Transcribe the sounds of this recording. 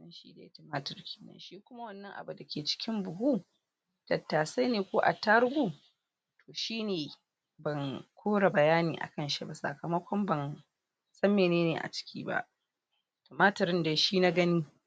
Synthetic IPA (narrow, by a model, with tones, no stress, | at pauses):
nɐ˦nʃḭː˦da̰˨jta˦maː˦tɐ˨rkʲe̥ː˨nɐ̰˦nʃiː˦kʷʊ˦ma˦wɐ˦˨nːɐ˦ŋʔa̰˨bu˨da˨kʲeː˨t͡ʃɪ̥˦kʲɪ˦mbʊ˨ɦu˦ | d̥ɐ˨tːaː˨sa˦jneː˨kʷoː˦ʔa̰˨tɐ˦ɾɡʷu˦ | tʰoː˨ʃiː˦neː˨ | bɐ˨ŋkʰʷoː˦ɽa˨bɐ˨jaː˦niː˨ʔa̰˨kɐ˦nʃi˦ba˨sɐ̰˨kɐ˨mɐ˦kʷɔ˦mbɐ˨n | sɐ˦mːeː˨neː˦neː˨ʔa̰˨t͡ʃɪ̥˦kʲʰḭː˦ba̰˦ʔ | toː˨maː˦tɐ˨ɾɪ˦nda˨ʃiː˦na˦ɡɐ˦niː˦